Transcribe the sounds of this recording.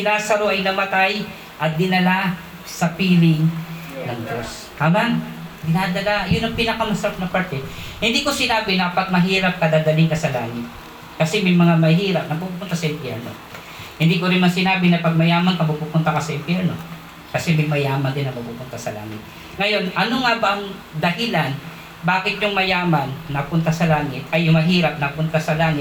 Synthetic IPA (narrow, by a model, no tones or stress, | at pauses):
kɪnaːsɐɾoʔɐjnɐmɐt̪aj | ʔɐt̪̚d̪ɪnɐla | sɐpiːlɪŋ | nɐŋd͡ʒ̪os | kamaŋɡɪnad̪ɐlajʊnɐŋpɪnɐkamɐsɐɾap̚nɐpɐɾt̪ɛhɪnd̪iːko̞sɪnaːbɪnɐpɐɡ̚mɐɦiːɾɐp̚kɐd̪aːd̪ɐlɪŋkɐsɐlaːŋɪt̪̚ | kɐsɛmɐjmɐŋamɐɦiːɾɐp̚nɐpupuːpʊnt̪asɐʔɪmpjɛɹno̞̰ | hɪnd̪iːkoɾɪnmaŋsɪnaːbɪnɐpɐɡ̚mɐjaːmɐnkɐmupuːpʊnt̪ɐkɐsɐʔɪmpjɛɾno̞ | kɐsɛmɐjmɐjaːmɐnd̪ɪnːɐŋmɐɡ̚puːpʊnt̪asɐla̰ːŋɪ̰t̪̚ | ŋɐjo̞nʔɐnoŋabɐŋ | d̪ɐɦɪlan | baːkɪt̪jʊŋmɐjaːmɐnːɐpʊnt̪asɐlaːŋɪt̪̚ʔɐjːʊŋmɐɦiːɾɐp̚nɐpʊnt̪asɐlaːŋɪ